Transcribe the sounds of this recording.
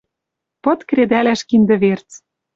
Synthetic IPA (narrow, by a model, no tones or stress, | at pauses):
pɤ̆t̪kɾed̪ælæʃkind̪ɘ̆βert͡s